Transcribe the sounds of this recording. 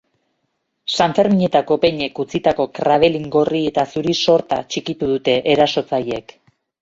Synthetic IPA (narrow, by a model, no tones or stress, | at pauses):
saɱfe̞ɾmiɲe̞t̪ako̞pe̞ɲe̞kut͡sit̪ako̞kɾaβ̞e̞liŋɡo̞rie̞t̪asuɾiso̞ɾt̪a̰t͡ʃikit̪uð̞ut̪e̞ʔeɾaso̞t͡saje̞k